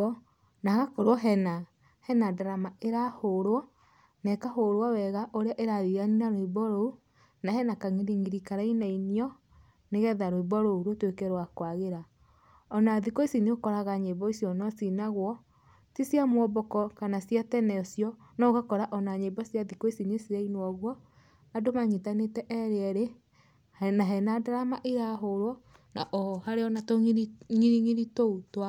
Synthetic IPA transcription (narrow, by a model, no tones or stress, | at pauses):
naɣakɔɾwɔɦɛna | hɛnadaɾamaeɾahoɾwɔ | nɛkaɦoɾowɔwɛɣaʔoɾeaʔeɾaðianinaɾoiβɔɾou | nahɛnakaŋiɾiŋiɾikaɾainainiɔ | neɣɛðaɾoiβɔɾouɾotwekɛɾwakwaɣeɾa | ɔnaðikɔisiniokɔɾaɣaɲebɔisjɔnɔsinaɣwɔ | tisjamwɔbɔkɔkanasjatɛnɛɔsjɔ | nɔɣakɔɾaʔɔnaɲebɔsjaðikoisinesiɾainwɔɣwɔ | adomaɲitanetɛʔɛɾeɛɾe | naɦɛnadaɾamaʔeɾaɦoɾwɔ | na̰ʔɔhaɾeɔnatoŋiɾiŋiɾitoutwa